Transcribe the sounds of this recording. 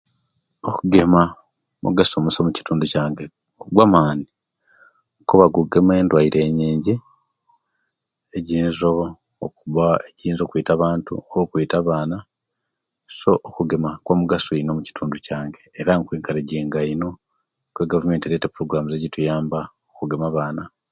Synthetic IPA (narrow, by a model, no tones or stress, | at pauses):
okuɡe̞ma | mṵɡasomusomuci̥tʰuːnducaːŋɡe | oɡwamaːni | kuβaɡuɡeme̞ːndwaiɾe̞ːɲiːɲɟi | eɟiːnzo | o̰kuβaeɟiːnzo̞ːkuiːtaβaːntṵoβokuiːtaβaːna | so̞ʔːkuɡe̞makwamuɡasoino̞muci̥tʰuːnducaːŋɡeːɾaŋkwiːŋkaleɟiːŋɡaino̞ | kweɡavume̞ːntieɾetepuɾo̞ɡuɾaːmuzeɟitujaːmba | okuɡe̞maβaːna